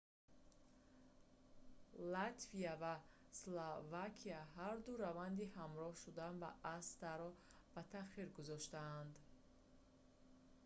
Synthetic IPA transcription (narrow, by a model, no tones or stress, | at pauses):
lat̪ʰviava | slovakʰiaɦaɾd̪uɾavand̪ihamɾɔhʃud̪anba̰ʔːst̪aɾɔb̥at̪ʰaχiɾɡuzɔʃt̪aːnd̪